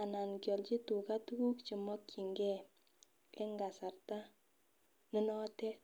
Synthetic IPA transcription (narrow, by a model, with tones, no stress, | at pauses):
a˨na˨nkjɔ˨lt͡ʃi˦tu˨ka˦tu˦ku˦kt͡ʃi˨mɔ˦kt͡ʃi˨ŋɡɛ˦ | ɛ˦ŋɡa˨sa˨rta˦ | nɪ˦nɔ˦tɛ˦